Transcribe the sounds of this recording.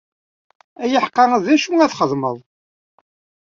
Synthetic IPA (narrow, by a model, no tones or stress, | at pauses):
æjəħqːɑæðæʃuŋæθχəðˤməðˤ